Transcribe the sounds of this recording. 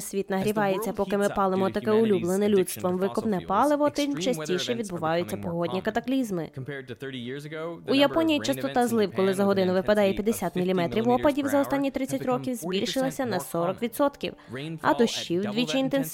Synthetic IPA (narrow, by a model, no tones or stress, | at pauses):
sʲʋʲit̪nɐɦɾʲiʋɑjet͡sʲːɐpɔkɪmɪpɑlˠemɔt̪ɐkɛʊlʲublˠenɪlʲut̪st̪ʋɔmʋɪkʊpnɛpɑlˠɪʋɔt̪ɪt͡ʃɐsʲtʲijʃɛʋʲid̪bʊʋɑjʊt͡sʲːɐpɔɦɔdʲnʲikɐt̪ɐklʲizmɪ | ujɐpɔnʲijit͡ʃɐst̪ɔt̪ɑzlˠɪwkɔlˠɪzɐɦɔd̪ɪnʊʋɪpɐd̪ɑjɛpʲjɐd̪esʲat̪mʲilʲimɛt̪ɾʲiwɔpɐdʲiwzɐɔst̪ɑnʲːit̪ɾɪt͡sʲːɐtʲrɔkʲiwzʲbʲilʲʃɪlˠɐsʲɐnɐsɔɾɔkʋʲid̪sɔt̪kʲḭwɐ̰d̪ɔʃt͡ʃiwd̪ʲʋʲit͡ʃiint̪ens